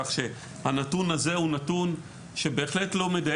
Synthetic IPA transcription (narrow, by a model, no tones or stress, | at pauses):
aχʃe | hanatunaze̞unatun | ʃe̞be̞ːχletlo̞me̞da